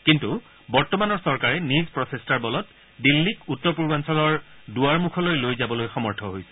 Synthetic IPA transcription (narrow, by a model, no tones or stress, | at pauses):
kintu | bɔɹtɔmanɔɹsɔɹkaɹɛnizpɹɔsʰestaɹbɔlɔt | dilːikutːɔpuɹbansɔlɔɹduaɹmukʰɔlojlojzabɔlojxɔmɔɹtʰɔɦojsɛ̥